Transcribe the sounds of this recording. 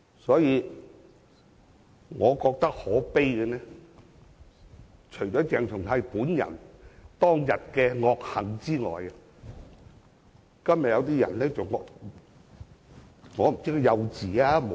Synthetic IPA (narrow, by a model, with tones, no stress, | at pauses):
sɔː˨˥jiː˨˧ | ŋɔː˨˧kɔː˧k̚t̪ɐ˥k̚hɔː˨˥pe˥jkɛ˧nɛː˥ | t͡ʃʰɵ˨˩ɥt͡ʃɔː˨˥t͡sɛː˨˧ŋt͡ʃʰʊ˨˩ŋʰɐ˨˧jpuː˨˥njɐ̰˨˩nt̪ɔː˥ŋjɐ˨t̚kɛː˧ŋɔː˧k̚hɐ˨ŋt͡siː˥ŋɔ̰ː˨jɐ˧ | kɐ˥mjɐ˨t̚jɐ˧wt̪̬iː˥jɐ̰˨˩nlɛː˥t͡sɐ˨wŋɔ˨˧ | ŋɔː˨˧m̩˨˩t͡si˥kjɐ˧wt͡siː˨aː˦˥m˨